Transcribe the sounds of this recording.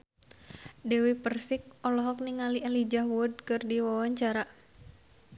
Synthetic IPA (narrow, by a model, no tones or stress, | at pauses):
dɛwipərsɪk̚ɔlɔɦɔk̚niŋalialid͡ʒaɦwʊd̚kɨrdiwawaɲt͡ʃaɾa